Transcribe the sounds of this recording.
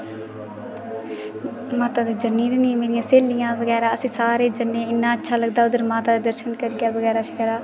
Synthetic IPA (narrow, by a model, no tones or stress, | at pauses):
maːt̪aːd̪eːd͡ʒəniːɾnĩːmeːɾijãːseːlɪjãːʋəɡɛːɾaːəsĩːsaːɾeːd͡ʒənːẽːɪnːãːətːʃʰaːləɡ̚d̪aːʊd̪əɾmaːt̪aːd̪eːd̪əɾʃənkəɾiɡaːʋəɡɛːɾaːʃɪkɛːɾaː